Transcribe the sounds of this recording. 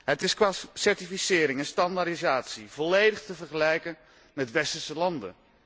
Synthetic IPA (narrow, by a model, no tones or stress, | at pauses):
ɦətɪskʋaːsɛɹtifisɪːɾɪŋɛnstɑndadizaːtsivɔlejdəχtəvəɹχəlɛjkən | mɛtʋɛstəɹsəlɑndə̰n